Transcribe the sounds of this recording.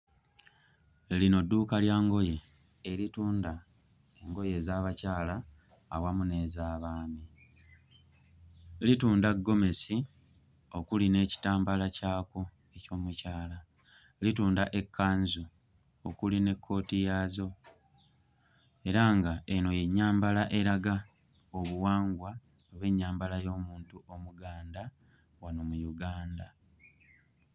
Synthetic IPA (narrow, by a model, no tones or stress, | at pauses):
lino̞dːuːkaljaːŋɡo̞je | elituːnda | eŋɡo̞je̞zaːβacaːlaː | wamune̞ːzaːβaːmi | lituːndaɡːo̞me̞si | o̞kuline̞ːci̥taːmbalacaːko̞ | e̞co̞ːmucaːla | lituːndaʔe̞kʰːaːnzu | okuline̞kʰːo̞ːtijaːzo̞ | e̞ɾaŋɡaeno̞jeɲːaːmbalaʔe̞ɾaɡa | oβuwaːŋɡwa | oβe̞ɲːaːmbalajo̞ːmuːntuʔo̞muɡaːnda | wanomujuɡaːnda